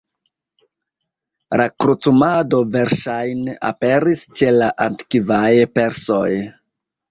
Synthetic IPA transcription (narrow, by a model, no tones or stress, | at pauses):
ɾʔakɾut͡sumado̞ve̞ɾʃajneʔa̰pe̞ɾist͡ʃe̞laʔantkivajpe̞ɾso̞j